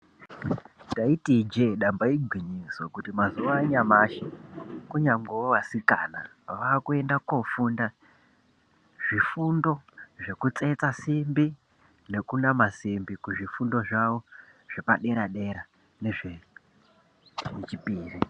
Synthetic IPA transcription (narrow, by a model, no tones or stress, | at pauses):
daitid͡ʒe̞ɗambaiɡʱwiɲiswokutimazuʋaɲamaʃikuɲaŋɡeoʋasika̰na̰ | ʋaːkue̞ndakofunda | ʐifundo̞ʐe̞kut͡se̞t͡sasimbi | ne̞kunamasimbikuʐifundo̞ʐawo | ʐ̥e̞pa̰ɗe̞ɾaɗe̞ɾa | ne̞ʐe | net͡ʃipiːri